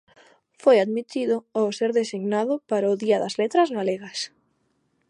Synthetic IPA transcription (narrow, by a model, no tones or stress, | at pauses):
fojaðmit̪iðʊawseɾðesiɣnaðʊpaɾaʊðiaðazlet̪ɾazɣaleɣas